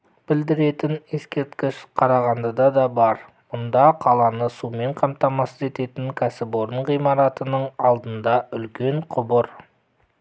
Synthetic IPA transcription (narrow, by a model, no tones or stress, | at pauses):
b̥ɪld̪ɪɾe̞t̪ɪne̞skʲe̞ɾt̪kʲɪʃqʰɑɾɑʁɑnd̪əd̪ɑd̪ɑbɑɾ | mʊnd̪ɑqʰɑlˠɑnəsume̞ɴqʰɑmt̪ɑmɑsəze̞t̪e̞t̪ɪŋkʲʰæsɪbo̞ɾəɴʁijmɑɾɑt̪ənəɴɑlˠd̪ənd̪ɑʏlkʲe̞ɴqʰʊbʊɾ